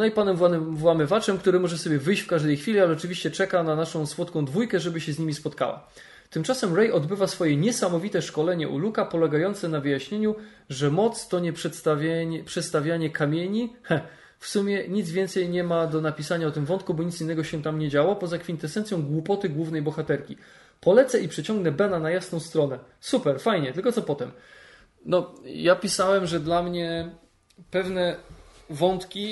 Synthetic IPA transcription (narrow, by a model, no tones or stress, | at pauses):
nɔipanɛmvavwamɘvat͡ʂɛmkt̪uɾɘmɔʐɛsɔbʲjɛvɘjɕt͡ɕfkaʐd̪ɛjxfʲilʲialɛɔt͡ʂɘvʲiɕt͡ɕɛt͡ʂɛkananaʂɔ̃w̃swɔt̪kɔ̃w̃d̪vujkɛʐɛbɘɕɛzɲimʲispɔt̪ka̰wa̰ | t̪ɘmt͡ʂasɛmɾɛjɔd̪bɘvasfɔjɛɲɛsamɔvʲit̪ɛʂkɔlɛɲɛʔṵlukapɔlɛɡajɔnt̪sɛnavɘjaɕɲeɲu | ʐɛmɔt̪st̪ɔɲɛpʂɛt̪st̪avʲpʂɛt̪st̪avʲjaɲɛkamʲjeɲihɛ | fsumʲjɛɲid̪zvʲjɛnt̪sɛjɲɛmad̪ɔnapʲisaɲaɔt̪ɘmvɔnt̪̚kubɔɲit̪sʲinːɛɡɔɕɛt̪amɲɛd͡ʑawɔpɔzakfʲint̪ɛsɛntsʲjɔ̃w̃ɡwupɔt̪ɘɡwuvnɛjbɔxat̪ɛɾkʲi | pɔlɛt̪sɛipʂɛt͡ɕɔ̃ŋɡnɛbɛnanajasnɔ̃w̃st̪ɾɔnɛ | supɛɾfajɲɛt̪ɘlkɔt̪sɔpɔt̪ɛm | nɔjapʲisawɛmʐɛd̪lamɲɛ | pɛvnɛ | vɔnt̪kʲi